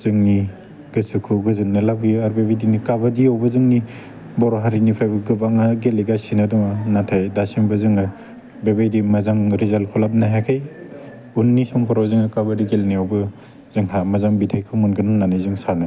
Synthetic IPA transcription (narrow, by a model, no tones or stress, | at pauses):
z̥ɯŋni | ɡ̥ɯsɯkʰɯɡɯzɯnːɯlabɯjaɾbebajdinikabadiawbɯzɯŋni | bɔɾɔɦaɾinipʰɾajbɯɡɯbaŋaɡeliɡasinadɔŋanatʰajdasimbɯzɯŋɯ | bebajdimazaŋɾizalkʰɔlap̚naɦakʰaj | unːisɔŋkʰɔɾawzɯŋɯkabadiɡelniowbɯ | z̥ɯŋɦamazaŋbitʰajkʰɯmunɡɯnɯnanizɯŋsanɯ